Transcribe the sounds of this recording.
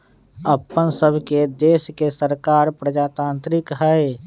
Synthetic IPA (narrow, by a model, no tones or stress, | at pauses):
əpːənsəbʱked̪eːʃkesəɾkaːɾpɾəd͡ʒaːt̪ãːnt̪ɾɪkɦɛe